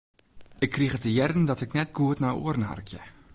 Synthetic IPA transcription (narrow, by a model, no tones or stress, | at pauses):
ɪkʰːriχətəjɛrdəndɔtɪknɛtɡuətnajṵərn̩ɦa̰rkjə̰